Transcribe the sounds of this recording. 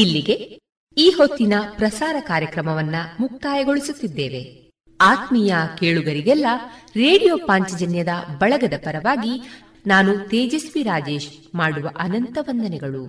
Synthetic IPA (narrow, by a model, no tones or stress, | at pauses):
ilːiɡe̞ | iːɦo̞t̪ːinɐpɾɐsaːɾɐkaːɾjɐkɾɐmɐʋɐnːɐmuk̚t̪aːjɐɡo̞ɭisut̪ːid̪ːeːʋe̞ | aːt̪mijɐkeːɭuɡɐɾiɡɛlːɐɾe̞ːɽijoːpaːɲt͡ʃɐd͡ʒɐnjɐd̪ɐbɐɭɐɡɐd̪ɐpɐɾɐʋaːɡi | naːnut̪eːd͡ʒɐsʋiɾaːd͡ʒe̞ːʃ | maːɽuʋɐʔɐnɐnt̪ɐʋɐnd̪ɐnɛɡɐɭu